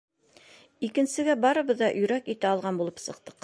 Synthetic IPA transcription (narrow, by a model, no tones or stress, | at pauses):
ikɘ̆nsɘ̆ɡæbɑɾɤ̆βɤ̆ðːɑʔɵ̆jɾækit̪æɑlˠʁɑnbulˠɤpsɤ̆q̚t̪ɤ̥q